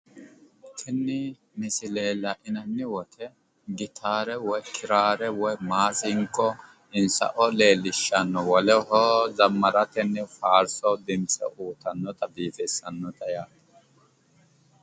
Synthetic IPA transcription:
kʰɪnːɪ | mɪsɪle̞ːlɐʔɪnɐnːɪwɔt̪ʰɛ | ɡɪt̪ʰaːɾɛwɔjkʰɪɾaːɾɛwɔjmaːsɪŋkʼːɔ | ɪnsɐ̰ʔɔle̞ːlːɪʃːɐnːɔwɔlɛhɔːzɐmːɐɾɐt̪ɛnːɛfaːɾsɔd̪ɪmsʼɛ̰ʔuːt̪ɐnːɔt̪ɐbiːfɛsɐnːɔt̪ɐjaːt̪ɛ̥

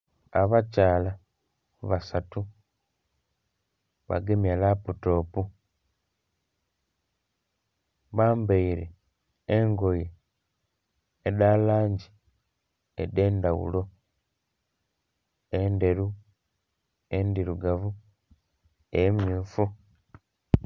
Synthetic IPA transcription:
aβacaːla | βasatu | βa̰ɡemjalaputo̞ːpu | βaːmbeiɾeː | ŋɡo̞je | dalaːɲɟi | ḛde̞ːndawṵlo̞ | ende̞ɾu | endiɾuɡavu | ejemjuːfu

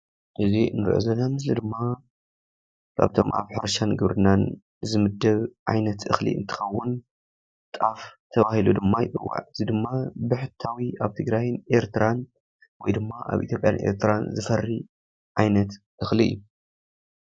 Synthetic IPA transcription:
ʔɨzinɨɾʔo̰zɐnamɨslid̪ɨmːa | kʰa̰βt̪ʰo̞̰mʔa̰βħaɾɐʃanɡɨβɾɨnan | zɨmɨd̪ːɐβʕajnɐt̪ʔɨ̰xlḭɨ̰nt̪ʰɨ̥xɐwːʊn | t̪ʼaft̪ʰɐβahilud̪ɨmːajɪʔʼɨ̰wːa̰ʕɨzid̪ɨmːabɨħɨt̪ʰawiaβt̪ʰɨɡɾajnʔe̞ɾt̪ʰɨɾan | wɔjd̪ɨmːaʔa̰βʔḭt̪ʰʲjo̞pʼja̰nʔe̞̰ɾt̪ʰɨɾanzɨfɐrːi | ʕajnɐt̪ | ʔɨxliʔɨ̰jːu

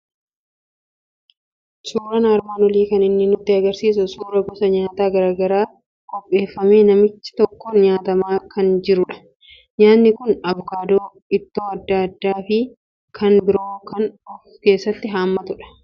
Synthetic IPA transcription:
suːɾɐnaːɾmaːnwɔliːkɐnɪnːɪnʊt̪ːɪɐɡɐɾsiːs̬ʊsuːɾɐbʊsɐɲaːt̪aːɡɐɾaːɡɐɾaː | kʼɔpʼːe̞ːfːɐmeːnɐmɪt͡ʃːɪ̥t̪ɔkːoːnɲaːt̪ɐmaːkɐnd͡ʒɪɾʊᶑɐ̥ | ɲaːnːɪkʊnɐbɔkaːd̪oː | ɪt̪ːoːɐd̪ːɐɐd̪ːaːfɪ | kʰɐnbɪɾoːkɐnɔfke̞ːsːɐt̪ːɪɦaːmːɐt̪ʊᶑɐ̥

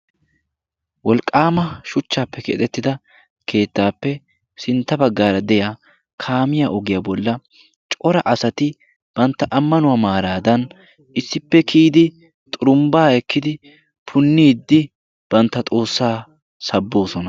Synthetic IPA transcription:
wɔlkʼːaːmɐʃʊt͡ʃːaːpːɛkɛ̰t̪ʼɛt̪ːɪd̪ɐ | kʰe̞ːt̪ːaːpːɛ | sɪnt̪ːɐbɐɡːaːɾɐd̪ɛja | kʰaːmɪjaʔɔɡɪjaːbɔlːɐ | t͡ʃʼɔɾɐʔɐsɐt̪ɪ | b̥ɐnt̪ːɐʔɐmːɐnʊwaːmaːɾaːd̪ɐn | ʔɪsːɪpːɛkʰiːd̪ɪ | t̪ʼʊɾʊmbaːɛkːɪd̪ɪ | pʰʊnːiːd̪ːɪ | b̥ɐnt̪ːɐt̪ʼo̞ːsːaː | sɐbːo̞ːsɔnɐ

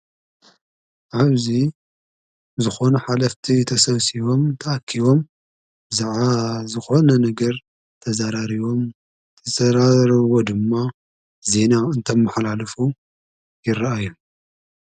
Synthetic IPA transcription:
ʕaβzi | zɨxo̞nɐħalɐft̪ʰit̪ʰɐsɐβsiβo̞mt̪ʰɐʔakʰːiβo̞m | bɨzaʕazɨxo̞nɐnɐɡɐɾ | t̪ʰɐzaɾaɾiβo̞m | t̪ʰɐzɐɾaɾβod̪ɨmːa | ze̞naɨnt̪ʰɐmːɨħalalɐfu | jɪɾaʔaju

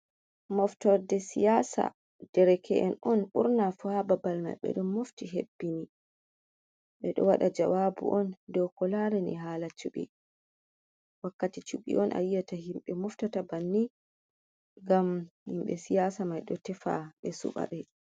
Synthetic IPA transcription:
mɔftɔɾdɛsijasa̰ | d̥ɛɾɛkʰɛʔɛnɔnɓuɾnafuhababalma̰jɓɛ̰ɗɔmːoftiɦḛbːini | ɓɛɗɔ̰waɗad͡ʒawabṵʔɔndɔwkɔlaɾɛnḭɦalat͡ʃuɓɛ̰ | wakːatit͡ʃuɓḭʔɔnʔa̰jjataɦimɓɛmɔftatabanːi | ɡamhimɓɛsijasamajɗɔtɛfa̰ɓɛsṵɓa̰ɓɛ

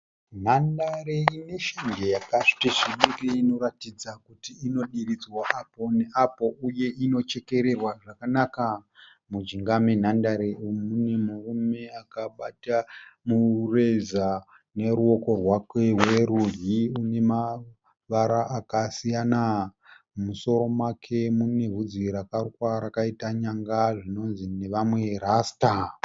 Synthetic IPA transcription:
n̤andaɾeine̞ʃaŋɡejakaʂi̥teʐiɓiriino̞ɾatid͡zakutiːno̞ɗirid͡zwaʔapo̞ne̞ʔapo̞ʔuje̞ʔino̞t͡ʃe̞ke̞ɾe̞rwaʐakanaka | mud͡ʒiŋɡamen̤andaɾeomune̞murume̞akaɓatamure̞za | ne̞ɾuo̞ko̞rwakweweɾuriune̞ma | ʋaɾaʔːkasijana | muso̞ɾo̞mwakʰe̞mune̞ɦud͡ziɾakarkwaɾakaitaɲaŋɡaʐino̞nzine̞ʋamwe̞rasta

